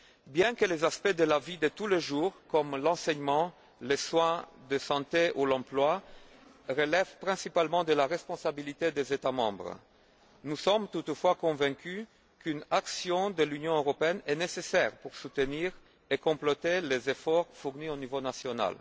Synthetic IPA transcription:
bjɛ̃kəlezaspɛd̪əlavid̪ət̪uleʒuːʁkɔmlɑ̃sɛɲmɑ̃ | leswɛ̃d̪əsɑ̃t̪eʔulɑ̃plwa | ʁəlɛvpχɛ̃sipalmɑ̃d̪əlaʁɛspɔ̃sabilit̪ed̪ezet̪amɑ̰̃bʁ | nusɔmt̪ut̪fwakɔ̃vɛ̃ky | kynaksjɔ̃d̪əlynjɔ̃øʁɔpeɛnɛnesesɛʁpuʁsut̪əniʁ | ekɔ̃plɔt̪elezefɔʁfuʁnionivonasjɔna̰l

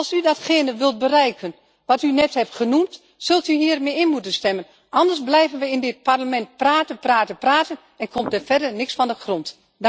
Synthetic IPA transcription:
lˠsydɔtxɪːnəʋɪlˠt̚bərɛjkʰən | ʋɔtynɛthɛptχənumt | sɵlˠtyɦiːərmɪɪnmutənstɛmən | ʔɑndərsblɛjvənʋəɪndɪt̚parləmɛnt̚praːtənpraːtənpraːtən | ɛnkʰom̚dəfɛdənɪksfɔndəxront

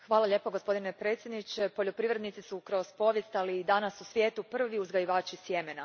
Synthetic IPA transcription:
xʋaːlaʎe̞ːpoɡo̞spo̞d̪inepɾe̞ːt̪sjed̪nit͡ʃepo̞ʎo̞pɾiʋɾe̞d̪nit̪sisukɾo̞zpo̞ʋje̞st̪aliːd̪anasusʋʲjeːt̪upr̩ʋiuzɡajiʋaːt͡ʃisje̞mena

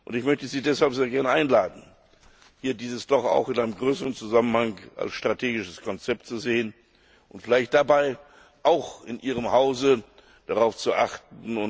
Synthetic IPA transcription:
ʔʊ̰ntɪçmœçtəziːdɛshalpz̥eːɐɡɛɐnəʔaɪnlaːdn̩ | hiːɐdiːzəsd̥ɔχa̰ʊxɪnʔaɪnəmɡʁøːsəʁənt͡suzamənhaŋʔa̰lsʃtʁ̥atʰeːɡɪʃəskʰɔnt͡sɛp̚tt͡suzeːən | ʔʊntfɪlaɪçt̚d̥abaɪ | ʔaʊxɪnʔiːʁ̞əmhaʊzə | d̥aʁaʊft͡suʔaχtnn̩ʊn

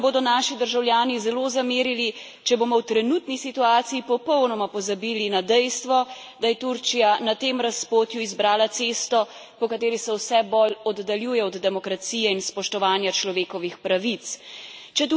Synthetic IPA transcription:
boːd̪ɔnaːʃid̪əɾʒawljaːnizɛloːzameːɾili | t͡ʃɛboːmɔwt̪ɾɛnuːt̪nisit̪uaːt̪sijipɔpɔwnɔmapɔzabiːlinad̪ɛjst̪ʋɔ | d̪ajɛt̪uɾt͡ʃijanat̪emɾaspoːt̪juizbɾaːlat̪seːst̪ɔ | pɔkat̪eːɾisɛwsɛbɔlɔd̪ːaljuːjɛɔd̪ːɛmɔkɾat̪sijɛinspɔʃt̪ɔʋaːnjat͡ʃlɔʋeːkɔʋixpɾaʋit̪st͡ʃɛt̪

